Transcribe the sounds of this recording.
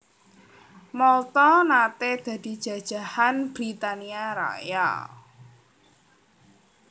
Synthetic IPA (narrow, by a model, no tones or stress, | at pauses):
mɔlt̪ɔnat̪ed̪̥ä̤d̪̥i̤d̥ʒ̥ä̤d̥ʒ̥ä̤hanb̥ɾit̪aniaɾa̰ja̰